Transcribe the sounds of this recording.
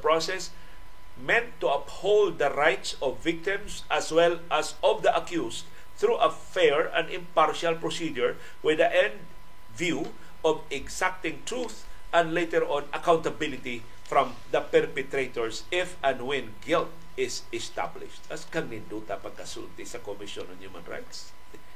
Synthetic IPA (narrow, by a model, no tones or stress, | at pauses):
pɹosɛs | mɛ̃nt̪ːuɐphold̪̚ɐɹajt̪sɔvːɪk̚t̪ɪ̃msʔɐswɛlʔasɔvd̪əʔɐkjust̪ | θɹuʔɐ | fɛɹɐ̰̃nɪ̃mpaɹʃalpɹɔsidʊɹ | wɪd̪ɐʔɛ̃nd̪ | vju | ʔɔvɛɡsak̚t̪ɪ̃ŋt̪ɹuθ | ʔɛ̃ndlejt̪ɛɹʔɔ̃nɐkawnt̪ɐbɪlɪt̪i | fɾɔ̃m | d̪ɐpɛɹpɛt̪ɾet̪ɔɹsɪfʔɐ̃nwɪ̃nɡɪlt̪̚ | ɪs | ɛst̪a̰blɪ̰ʃt̪ɐskɐŋnɪnd̪ut̪ɐpɐɡ̚kːɐsṵlt̪ɪsɐkomɪʃõnɔnhumã̰nɹa̰jt̪s